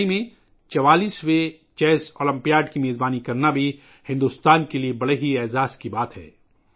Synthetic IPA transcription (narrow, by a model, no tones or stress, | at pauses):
imẽ | t͡ʃɐʋaːliːswe | t͡ʃɛːsoːlɐ̃mpijaːɖkimeːzbaːnikɐɾnabʱi | hɪ̃nd̪ust̪aːnkeliebɐɽeɦiɛːzaːskibaːt̪ɦɛ̰ː